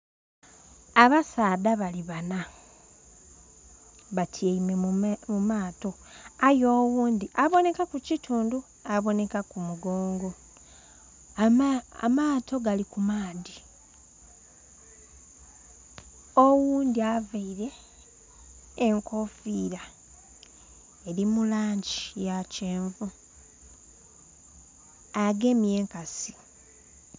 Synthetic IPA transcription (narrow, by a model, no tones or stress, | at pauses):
aβasaːdaβaliβana | βatʰieimemumaːto̞ | ajoːwuːndiʔaβo̞ne̞kakucitʰuːndu | aβo̞ne̞kakumuɡo̞ːŋɡo̞ | a̰maːto̞ɡalikumaːdi | owuːndiavaiɾe̞ | ŋkʰo̞fiːɾa | e̞ɾimulaːɲɟijaceːɱvu | aɡe̞mje̞ːŋkasi̥